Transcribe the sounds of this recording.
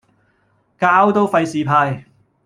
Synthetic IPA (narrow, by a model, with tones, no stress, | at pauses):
kaː˥wt̪o˥wfɐ˧jsiː˨˩pʰaː˧j